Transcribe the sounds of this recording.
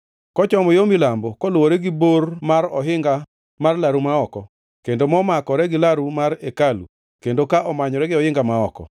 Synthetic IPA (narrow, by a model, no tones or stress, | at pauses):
kɔt͡ʃɔmɔjomilambɔkɔlʊwoɾɛɡɪbormaɾɔ̰ɦɪŋɡa | marlaɾumaɔkɔ | kendomɔmakɔɾɛɡɪlaɾumaɾekalṵ | kendokaʔɔmaɲɔɾɛɡɪɔjɪŋɡamaɔkɔ̰